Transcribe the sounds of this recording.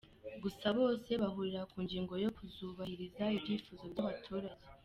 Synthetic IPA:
ɡusaβo̞ːse̞βaɦuɾiɾakuːŋɡiːŋɡo̞jo̞kuzuːβahiɾizaibɟiːfuːzo̞bjaβatʰuːɾaje̞

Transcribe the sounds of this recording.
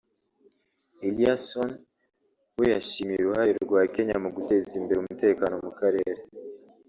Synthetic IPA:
iliason | wejaʃimijeɾuhaɾeɾuɾɡwaːke̞ɲamuɡute̞zimbeɾumute̞ːkano̞mukaɾe̞ːɾe

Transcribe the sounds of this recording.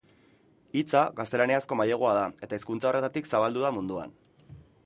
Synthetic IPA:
it͡saɣast̪e̞laniasko̞majeɣ̞oað̞ae̞t̪aiskunt͡sao̞re̞t̪at̪iksaβald̪uðamund̪ua̰n

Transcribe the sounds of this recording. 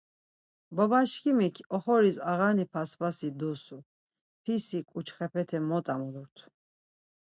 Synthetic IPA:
bɔbaʃkʰimikʰɔχɔɾisaʁanipʰasbasid̪usu | pʰisikʼut͡ʃʰχɛpʰɛt̪ʰɛmɔt̪ʼamuluɾt̪ʰu̥

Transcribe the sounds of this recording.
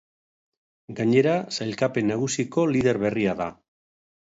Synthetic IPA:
ɡaɲe̞ɾasajlkape̞nːaɣ̞usiko̞lið̞e̞ɾβe̞riaða̰

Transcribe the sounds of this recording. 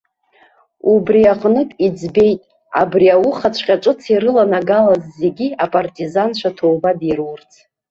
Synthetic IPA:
ubriaqʼnɨtʼid͡zbe̞jtʼ | a̰briawʊχat͡ɕʷʰqʲʼaʈ͡ʂʼɨt͡sʰiɾɨlanaɡalazze̞ɡʲiapʼartʼizanʃʷʰatʰowbadirwurt͡sʰ

